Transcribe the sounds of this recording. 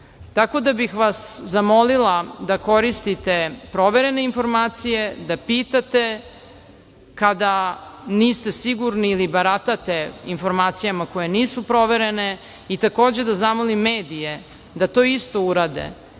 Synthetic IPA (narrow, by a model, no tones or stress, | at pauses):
t̪ako̞d̪abixʋaszamo̞lilˠad̪ako̞ɾist̪it̪e̞pɾo̞ʋe̞ɾe̞ne̞info̞ɾmaːt̪sije̞d̪apiːt̪at̪e̞ | kad̪aniːst̪e̞siɡuɾniːlibaɾat̪at̪e̞info̞ɾmaːt̪sijamakoje̞niːsupɾo̞ʋe̞ɾe̞ne̞ | it̪ako̞ːd͡ʑed̪azamolimːeːd̪ije | d̪at̪o̞ːist̪o̞uɾaːd̪ḛ